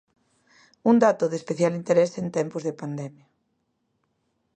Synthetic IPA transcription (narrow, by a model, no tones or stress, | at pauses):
und̪at̪ʊðespeθjalint̪eɾesent̪ɛmpʊzðepand̪ɛmja